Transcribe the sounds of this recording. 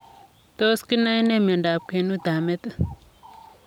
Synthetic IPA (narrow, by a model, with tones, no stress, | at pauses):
t̪o˦ski˦na˦i˦ne˦me˨nɖa˨p̚ke˨nu˦d̪a˨me˦t̪ə˦